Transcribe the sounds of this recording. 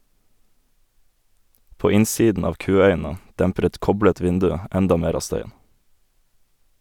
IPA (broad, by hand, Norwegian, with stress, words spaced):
ˈpoː ˈɪnˌsiːdn ˈɑːʋ ˈkʉːˌœʏn̩ə ˈdæmpɾ̩ ˈɛt ˈkɔblət ˈʋɪndʉ ˈɛndɑ ˈmeːɾ ˈɑː ˈstœʏən